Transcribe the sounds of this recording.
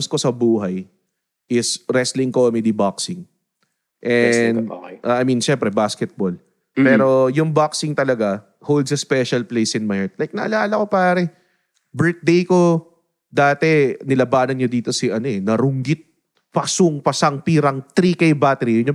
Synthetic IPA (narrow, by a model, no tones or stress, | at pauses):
msko̞sɐbuːɦɐj | ʔɪsɾɛslɪŋkomɛd̪ibaksɪŋ | ʔɛn̰ʔaːjminʃɛmpɾɛbaskɛt̪̚bol | pɛːɾo̞jʊŋbaksɪŋt̪ɐlɐɡa | howld̪sɐspɛʃɐlplejsɪnmajt̪̚lajk̚nɐʔɐ̰laːlɐko̞paːɾɛ | bɛɹt̪̚d̪ejko̞ | d̪aːt̪ɛnɪlɐbaːnɐnɲod̪iːt̪o̞sɪɐno̞ɛnɐɾʊŋɡɪt̪̚ | pɐsʊŋpɐsɐŋpiːɾɐŋt̪ɾikɐjbat̪ɛɾijʊnɲo